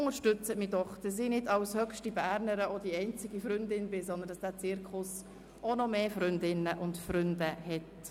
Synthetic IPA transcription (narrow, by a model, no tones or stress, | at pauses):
ʊŋəɾʃtʏt͡sətmidɔχd̥ɑs̬ɪnɪdɑwshœkʃtibæːɾnəɾəod̥iɛɪnt͡sɪɡifɾʏndɪnbɪsɔndənd̥ɑsd̥æːt͡sɪɾkʰχʊs | onɔmeːfɾʏndɪnəʔʊndfɾʏndəhɛt